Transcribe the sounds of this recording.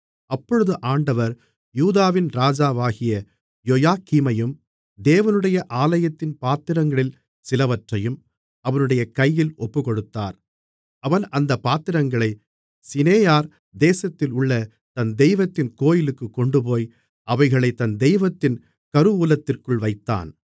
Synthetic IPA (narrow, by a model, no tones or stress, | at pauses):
ɐpːɔɻɯðɯʔaːɳɖɐʋɐɾ | juːðaːʋɪnɾaːd͡ʒaːʋaːɣɪjɐ | jɔjaːkiːmɐjɯm | d̪eːʋɐnɯɽɐjɐʔaːlɐjɐt̪ːɪnpaːt̪ɪɾɐŋɡɐɭɪl | sɪlɐʋɐʈrɐjɯm | ɐʋɐnɯɽɐjɐkɐjːɪlɔpːɯkɔɽɯt̪ːa̰ːɾ | ɐʋɐnɐnd̪ɐpːaːt̪ːɪɾɐŋɡɐɭɐɪ | sɪneːjaːɾ | d̪eːsɐt̪ːɪlʊɭːɐ | t̪ɐnd̪ɛjʋɐt̪ːɪnkoːjɪlɯkːɯkːɔɳɖɯp̬oːj | ʔɐʋɐɪɣɐɭɐɪt̪ɐnd̪ɛjʋɐt̪ːɪn | kɐɾɯuːlɐt̪ːɪrkɯɭʋɐɪt̪ːa̰ːn